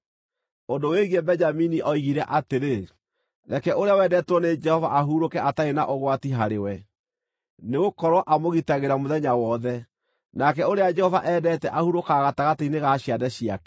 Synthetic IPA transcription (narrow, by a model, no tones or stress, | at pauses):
ondoweɣebɛɲd͡ʒaminiʔɔiɣiɾɛʔateɾe | ɾɛkɛʔoɾeawɛːdɛtwɔned͡ʒɛhɔva̰ʔaɦuɾokɛʔataenaʔoɣwatiɦaɾewɛ | neɣokɔɾwɔʔamoɣitaɣeɾamoðɛɲawɔðɛ | nakɛoɾead͡ʒɛhɔvaʔɛːdɛtɛʔahuɾokaɣataɣateineɣaɕiadɛɕiakɛ̥